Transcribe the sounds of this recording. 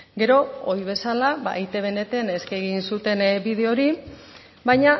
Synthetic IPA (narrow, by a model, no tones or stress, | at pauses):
ɡe̞ɾo̞ojβ̞e̞salaβa̰jt̪e̞β̞e̞ne̞t̪eneskeɣinsut̪e̞nbið̞e̞o̞ɾi | bajɲa